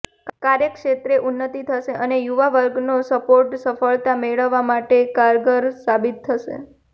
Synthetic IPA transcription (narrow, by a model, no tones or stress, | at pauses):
kaɾjəkʂet̪ɾeʔunːət̪it̪ʰəʃeʔənejuʋaʋəɾɡnosəpoɾʈsəfəɭt̪ameɭəʋːamaʈekaɾɡəɾsabit̪ʰːəʃḛ